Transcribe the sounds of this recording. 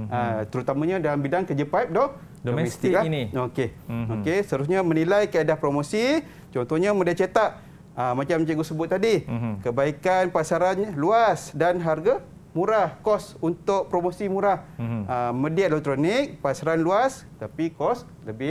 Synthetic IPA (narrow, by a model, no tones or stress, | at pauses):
ʔət̪əɾut̪amãɲãdalambidaŋkəd͡ʒəpajp̚dɔh | dommɛst̪ɪklaniokeokesəaɾus̬ɲamə̃nilajkəedahpɾomosi | t͡ʃɔnt̪ɔɲamə̃diaʔ̚t͡ʃət̪aʔ | əmat͡ʃamt͡ʃaɡusəbʊt̪̚ːadikəbaikanpasaɾanluasdanɦarɡa | mũɾahkɔsunt̪ʊʔ̚pɾomosimũɾahəmə̃diaʔ̪̚lot̪ɾonik̚pasaɾanluast̪apikɔs | ləbɪ